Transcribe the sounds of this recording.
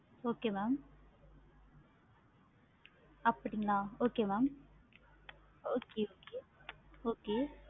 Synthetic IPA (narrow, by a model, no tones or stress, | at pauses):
oːkemam | ɐpːʈiŋnaoːkemam | oːkeoːkeoːke